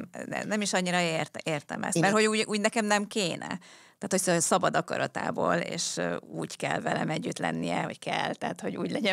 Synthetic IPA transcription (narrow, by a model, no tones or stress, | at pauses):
ɛ̰nɛmiʃɒɲːiɾɒert̪eːrt̪ɛ̰mɛ̰smɛrhoɟuːɟuːɟnɛkɛmnɛmkeːnɛ̰t̪aːt̪hocssɒbɒd̪ɒkɒ̰ɾɒt̪a̰ːboːlḛːʃuːɟkɛlvɛlɛmɛɟːyt̪lɛ̰nːijɛho̞ckɛlt̪ɛɦat̪ho̞ɟuːɟlɛɟɛ